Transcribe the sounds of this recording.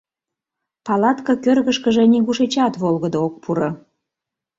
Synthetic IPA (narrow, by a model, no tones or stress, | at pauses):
pɑlɑt̪kɑkørɣəʃkəʒeniɣuʃet͡ɕɑt̪βolɣəd̪ook̚pʰuɾo